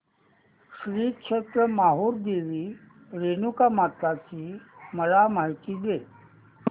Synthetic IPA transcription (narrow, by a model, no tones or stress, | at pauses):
ɕɾiːkʂʰet̪ɾəmaɦoːɾd̪eʋi | ɾenukamat̪at͡ɕiːməlamaɦit̪id͡ze